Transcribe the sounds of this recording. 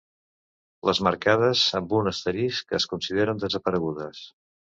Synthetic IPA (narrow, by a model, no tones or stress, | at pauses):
ləzməɾkað̞əsəmbunəst̪əɾiskəːskunsiðeɾənd̪əzəpəɾəɣuðəs